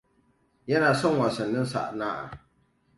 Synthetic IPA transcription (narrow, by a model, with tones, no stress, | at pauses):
jɛ˦na˨sɔ˦ŋ˦wa˨sɨ˨nːɨ˦n˦sa̰˨ʔnaː˦ʔa̰˨